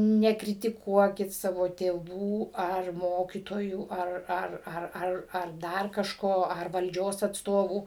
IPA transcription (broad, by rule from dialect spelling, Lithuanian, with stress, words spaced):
nʲɛkrʲɪtʲɪˈkuɔkʲɪt ˈsɑːʋoː tʲeːˈʋuː ɐr ˈmoːkʲiːtoːjuː ˈɐr ˈɐr ˈɐr ˈɐr ɐr ˈdɐr kɐʃˈkoː ɐr ʋɐlʲˈd͡ʒʲoːs ɐtsˈtoːʋuː